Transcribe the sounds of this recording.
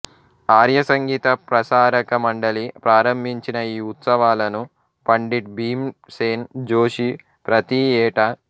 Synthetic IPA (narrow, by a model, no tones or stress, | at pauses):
aːɾjɐsɐŋɡiːt̪ɐpɾɐsaːɾɐkɐmɐɳɖɐlipɾaːɾɐmbʱiɲt͡ʃinɐiːut̪sɐʋaːlɐnu | pɐɳɖiʈ̚biːm | seːnd͡ʒoːʂi | pɾɐt̪iɛːʈɐ